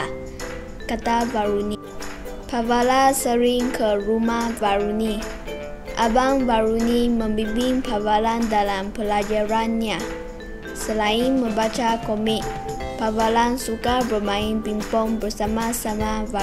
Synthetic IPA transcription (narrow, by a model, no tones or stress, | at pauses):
kat̪avaɾuni | pavalasəɾɪŋkʰəɾumahvaɾuni | ʔabaŋvaɾunimə̃mbibɪŋpavalandalampəlad͡ʒaɾanɲa | səlaɪnmə̃mbat͡ʃakomɪk̚pavalansukabərmãɪnpimpɔŋbərsamasamava